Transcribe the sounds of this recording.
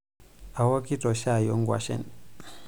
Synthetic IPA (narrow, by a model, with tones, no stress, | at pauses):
a˨wɔ˦ki˦tɔ˨ʃa˦˨jɔ˦ŋɡwa̰˨ʃɛ̰˦˨n